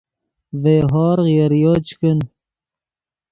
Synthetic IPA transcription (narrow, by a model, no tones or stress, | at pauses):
veːɦɑːɾɣjɐɾjoːt͡ʃkən